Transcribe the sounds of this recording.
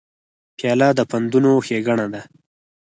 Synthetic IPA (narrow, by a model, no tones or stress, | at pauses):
pjɑlad̪əpand̪unoxeɡaɳad̪a